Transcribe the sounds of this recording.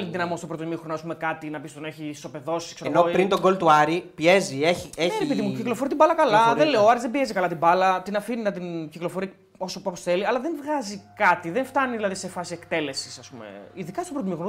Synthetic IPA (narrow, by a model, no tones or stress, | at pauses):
lit̪ðinɐmo̞st̪o̞pɾot̪imixɾonoɐspumekɐt̪inɐpist̪oneçist̪o̞pe̞ðo̞sikseɾenopɾint̪oɡo̞lt̪uɐɾipie̞zieçieɾepiðimuciklo̞foɾit̪ibɐlɐkɐlɐðenleoɐɾizðebiezikɐlɐt̪ibɐlɐt̪inɐfininɐt̪inciklofo̞ɾiɐ | osopɐposθe̞liɐlɐðeɱvɣɐzikɐt̪iðeɱft̪ɐniðilɐðisefɐsiekt̪e̞le̞sisɐspumḛiðikɐstopɾot̪imixono